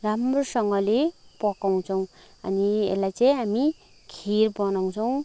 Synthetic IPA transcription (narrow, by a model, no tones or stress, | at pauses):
ramrosʌŋɡʌlepʌkaw̃t͡sʰʌw̃ | ʌ̰niḛlajt͡sajɦami | ɡʰʱiɾbʌnaw̃t͡sʰʌw̃